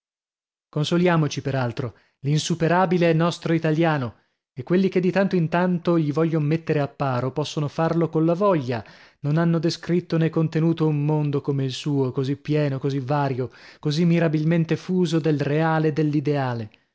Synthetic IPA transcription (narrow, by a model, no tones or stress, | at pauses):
konsoljaːmot͡ʃipeɾalt̪ɾo | linsupeɾaːbileɛnːɔst̪ɾoit̪aljaːno | ekːwelːik̟ed̪ːit̪ant̪oint̪ant̪oʎivɔʎːonomet̪ːeɾeapːaːɾopɔsːonofarlokollavɔʎːanonanːod̪eskɾit̪ːonekːont̪enuːt̪oummond̪okomeilsuːokozipːjɛːnokozivaːɾjokozimːiɾabilment̪efuːzod̪elreaːled̪ːelːid̪eaːle